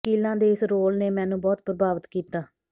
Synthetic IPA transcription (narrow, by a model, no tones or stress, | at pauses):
iːlãːd̪eːɪsɾoːlneːmɛ̃ːnũːbɔːt̪pɾəbaːʋət̪kiːt̪aː